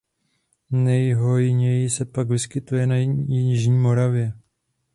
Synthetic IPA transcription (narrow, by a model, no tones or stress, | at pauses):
nɛjɦojɪɲɛjɪsɛpaɡvɪskɪt̪ujɛnajɪɪʒɲiːmo̞ɾavjɛ